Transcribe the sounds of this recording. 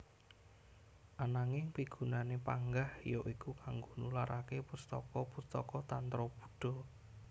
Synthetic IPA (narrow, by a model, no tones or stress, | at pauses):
ʔanaŋɪŋpiɡ̥ṳnanepaŋɡahjoʔikukaŋɡonulaɾʔakepust̪ɔ̰kɔpust̪ɔkɔt̪ant̪ɾɔb̥u̥̤ɖ̥ɔ̤